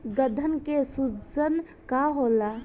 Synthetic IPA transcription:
ɡəd̪ʱənkesud͡ʒən | kaɦola

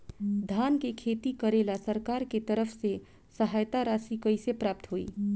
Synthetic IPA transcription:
d̪ʱaːnkekʰeːt̪ikəɾeːlasəɾkaːɾket̪əɾəfʰse | səɦaːjt̪aɾaːsikəisepɾaːp̚t̪ɦoːḭː

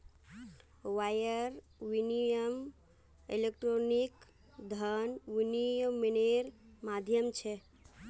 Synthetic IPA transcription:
wajəɾ | ʋinijəm | elek̚ʈɾonik | d̪ʱənʋiniəmːineɾmad̪ʱjəmt͡ʃʰɛ

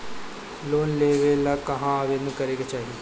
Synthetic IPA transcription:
loːnleːʋelakɐɦãɐʋenkɐɾeːɡat͡ʃaːɦie

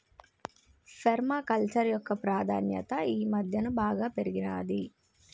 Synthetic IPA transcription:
pʰeɾmaːkɐlt͡ʃɐɾjɔkːɐpɾaːd̪ʱa̰ːnjɐ̰t̪ɐiːmɐd̪ʱjɐnubaːɡaːpeɾiɡina̰ːd̪i

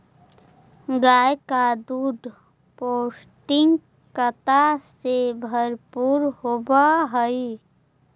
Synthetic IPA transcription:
ɡaːjkad̪uːɖ̪ | poːs | ʈɪŋɡ | kət̪asebʱəɾpuːɾɦobaɦəi

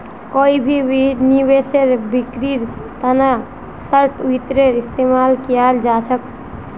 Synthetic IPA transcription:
koibʱiiniweseɾbikɾiɾt̪ana | səɾʈit̪ɾeɾist̪emalkijaeld͡ʒat͡ʃʰək

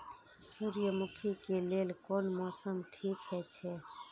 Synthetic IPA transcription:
suɾjəmukʰikelelkonmɔsəmʈʰikɦɛt͡ʃʰɛ

